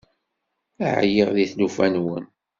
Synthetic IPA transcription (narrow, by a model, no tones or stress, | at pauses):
æ̰ʕ̰jiʁðiθlufænwə̰n